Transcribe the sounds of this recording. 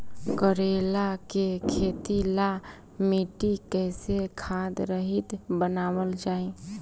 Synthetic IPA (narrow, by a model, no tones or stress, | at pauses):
kəɾelakekʰet̪ila | miʈikɛsekʰad̪ɾəɦit̪bənaːwəld͡ʒaːi